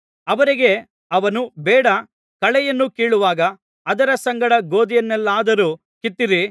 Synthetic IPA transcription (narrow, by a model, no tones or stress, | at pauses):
ɐʋɐɾiɡe̞ | ɐʋɐnubɛːɽɐ | kɐɭɛjɐnːukeːɭuʋaːɡɐː | d̪ɐɾɐsɐŋɡɐɽɐɡo̞ːd̪ijɐnːɛlːaːd̪ɐɾuː | kit̪ːiɾi